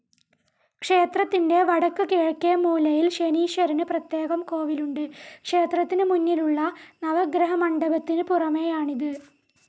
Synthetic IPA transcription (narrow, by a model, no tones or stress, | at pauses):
kʂe̞ːt̪rɐt̪ːinde̞ʋɐɽɐkːɨkeːɻkːijɐmuːlɐjilʂeniːʂɐɾinɨprɐt̪je̞ːɣɐmko̞ːʋiluɳɖɨkʂe̞ːt̪rɐt̪ːinɨmunːiluɭːɐnɐʋɐɡɾɐɦɐmɐɳɖɐbɐt̪ːinɨpurɐmejaːɳiðɨ